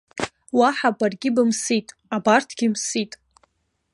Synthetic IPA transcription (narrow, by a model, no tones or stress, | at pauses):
waħabarɡʲɪbɨmsitʼ | abartʰɡʲimsitʼ